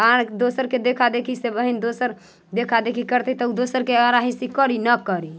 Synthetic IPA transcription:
ad̪osəɾked̪ekʰad̪ekʰisebəɦind̪osəɾ | d̪ekʰad̪ekʰikəɾt̪ɛt̪ɔud̪osəɾkeaɾaɦisikəɾinəkəɾi

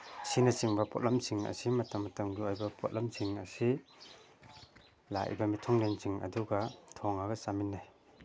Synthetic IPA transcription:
sinɐsiŋbɐpo̰t̚lɐmsiŋɐ̰simɐtɐmːɐtɐmɡiojbɐpʰot̚lɐmsiŋɐsi | la̰ʔʔḭbɐmitʰɔŋlensiŋɐ̰duɡɐtʰoŋɐɡɐsaminːaj

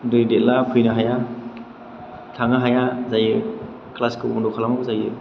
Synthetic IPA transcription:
dɯjdet̚lapʰɯjnaɦaja | tʰaŋaɦajazajɯ | klaskɯɔ̰ndɔkʰalamawzajɯ

